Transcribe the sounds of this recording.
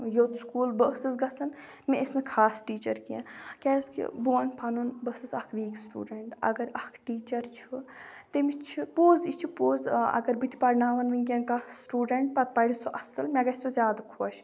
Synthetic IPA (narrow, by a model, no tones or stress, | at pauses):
joːt̪skuːlbəsɨsɡɐsɐn | mẽesnɨkʰaːsʈiːt͡ʃɐɾkiã̰kʲɛːskḭbuʋɐnpʰɐnunbɐsɨsɐkʰʋiːksʈṵːɖeɳʈɐ̰ɡɐɾɐkʰʈiːt͡ʃɐɾt͡ʃʰut̪emit͡ʃʰipoːzit͡ʃʰupoːzɐ̰ɡɐɾbit̪ʰi̥pɐɾnaːʋɐnʋɨnʲkʲẽnkasʈuːɖeɳʈ̚pɐt̪̚pɐɽʲisoʔɐsɐlmʲɛɡɐsʲt̪ozʲjaːd̪akʰoɐʃ